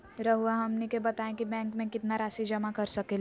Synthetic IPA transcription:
ɾɐɦuaɦɐmnikebɐt̪aːẽkibɛ̃ːŋkmẽkɪt̪naɾaːsid͡ʒɐmakɐɾsɐkel

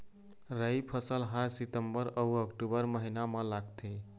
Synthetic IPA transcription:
ɾəjpʰəsəlɦaɾsit̪əmbəɾəuəkʈubəɾməɦinamə̃laɡt̪ʰe

